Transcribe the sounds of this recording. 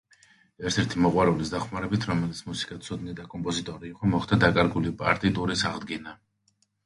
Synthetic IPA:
ɛɾt̪ʰɛɾt̪ʰimɔqʼwaɾulisd̪aχmaɾɛbit̪ʰɾɔmɛlit̪sʰmusi̥kʼat̪sʰud̪nid̪akʼɔmpʼɔzit̪ʼɔɾiːqʼɔmɔχt̪ʰad̪akʼaɾɡulipʼa̰ɾt̪ʼit̪ʼuɾisaʁd̪ɡɛna

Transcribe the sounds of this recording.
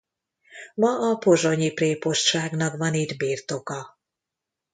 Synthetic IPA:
mɒɒpo̞ʒo̞ɲipreːpo̞ʃt̪ʃaːɡnɒkʋɒnid̪biːrt̪o̞kɒ

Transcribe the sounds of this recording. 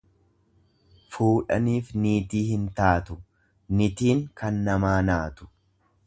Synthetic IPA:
fuːᶑɐ̰niːfniːt̪iːhɪnt̪aːt̪ʊ | nɪt̪iːŋkɐnːɐmaːnaːt̪ʊ̥

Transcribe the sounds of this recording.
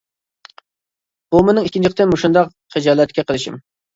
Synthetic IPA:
bumʊnɨŋikʲːint͡ʃʰiq̚t̪ɨnmuʃund̪ɑq | χɨd͡ʒɑːlˠɛt̪kʲɛqʰəlˠɨʃḭm

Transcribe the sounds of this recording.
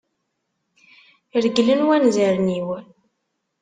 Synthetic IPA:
ɾəɡlənwænzæɾniw

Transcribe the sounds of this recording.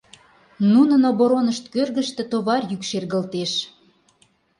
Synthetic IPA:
nunə̆noβoɾonəʃt̪kørɣəʃt̪ĕt̪oβɑrjykʃerɣə̆lt̪eʃ

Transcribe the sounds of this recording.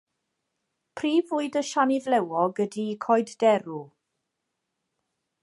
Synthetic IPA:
pʰriːvʊɨdəʃanɪðlɛwɔɡədikʰɔjddɛɾu

